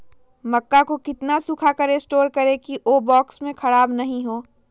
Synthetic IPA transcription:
mɐkːakokɪt̪nasʊkʰakɐɾesʈoːɾkɐɾekiʔoːbɔːksmẽkʰɐɽaːbnɐɦĩɦoː

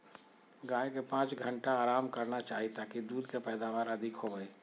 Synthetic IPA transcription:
ɡaːekepãːt͡ʃɡʱə̃ɳʈaaːɾaːmkɐɾnat͡ʃaːɦit̪akid̪uːd̪kepɛːd̪aːʋaːɾɐd̪ʱɪkɦoɡəeː

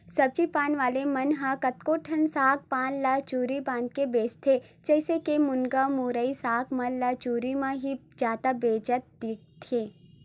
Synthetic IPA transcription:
sɐb̚t͡ʃipaːnʋaːlemɐnɦãkɐt̪koːʈʰɐnsaːk̚pãːnlɐt͡ʃuːɾibãːnd̪̚kebeːst̪ʰed͡ʒɛːsekemʊnɡamuːɾəisaːkmɐ̃nlɐt͡ʃuːɾimãɦi | d͡ʒaːt̪abeːd͡ʒət̪̚d̪ik̚t̪ʰeː

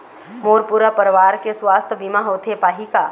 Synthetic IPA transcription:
moːɾpuɾapəɾʋaːɾkeswaːst̪ʰbimaɦoːt̪ʰepaːɦikaː

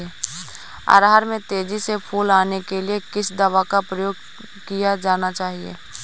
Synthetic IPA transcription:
e | a̰ɾɦaːɾmẽt̪eːd͡ʒisepʰuːlaːnekeliekɪsd̪ɐʋakapɾɐjoːɡ̚ | kijad͡ʒaːnat͡ʃaːɦiḛː

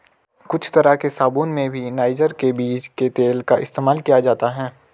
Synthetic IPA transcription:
kʊt͡ʃʰt̪ɐɾakesaːbuːnmẽbʱinaːɪd͡ʒəɾkebiːt͡ʃket̪eːlkaʔɪ̰st̪eːmaːlkijad͡ʒaːt̪aɦɛ̃ː

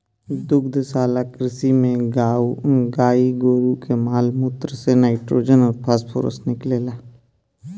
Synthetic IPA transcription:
d̪ʊkd̪saːlakɾɪsimẽɡaːuɡaːiɡoːɾukemaːlmut̪ɾəsenaːɪʈɾoːd͡ʒənɔːɾpʰaspʰo̰ːɾə̰snɪkleːlaː

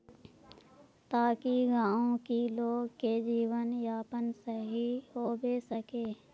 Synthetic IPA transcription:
t̪aːkiɡãːõkiloːɡked͡ʒiːwənjaːpənsəɦiɦoːbesəkeː

